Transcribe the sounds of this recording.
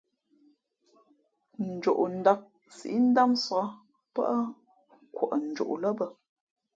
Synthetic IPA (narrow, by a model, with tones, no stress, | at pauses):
n̩˨d͡ʒo˨ʔn̩˨da˦k̚ | sḭ˨ʔi˦n̩˦da˦msa˦ | pə̰˦ʔə˦ | kwo˨ʔə˨n̩˨d͡ʒo̰˨ʔlə˦bə˦